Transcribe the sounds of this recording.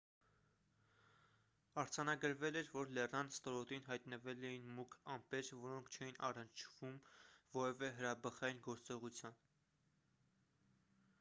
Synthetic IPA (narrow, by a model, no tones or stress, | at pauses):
ɑɾd͡zɑnɑɡəɾvɛlɛɾvɔɾlɛrnɑnst̪ɔɾɔt̪inɦɑjt̪nəvɛlɛjinmukʰɑmpɛɾvɔɾɔŋkʰt͡ʃʰɛjinʔɑ̰rənt͡ʃʰvumvɔɾɛvɛɦəɾɑbəχɑjinɡɔɾt͡sɔʁut͡sʰjɑn